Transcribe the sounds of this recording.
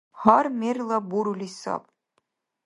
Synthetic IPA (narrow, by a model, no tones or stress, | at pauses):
hɑɾmʲerlˠɑbuɾulisɑ̰p̚